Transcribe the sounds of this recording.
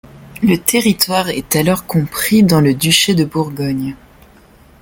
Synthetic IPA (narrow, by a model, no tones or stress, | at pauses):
lət̪eʁit̪waʁɛt̪alɔʁkɔ̃pχid̪ɑ̃ləd̪yʃed̪əbuʁɡɔɲ